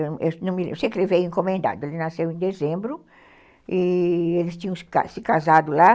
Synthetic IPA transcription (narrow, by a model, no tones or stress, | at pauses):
ewnɐ̃w̃mɪlḛ̃seklɪvejẽkõmẽnd̪a̰d̪ʊelɪnasewẽd̪ezẽmbɾʊ | ielɪst͡ʃ̪ĩɲɐ̃w̃ska̰sɪkazad̪ʊla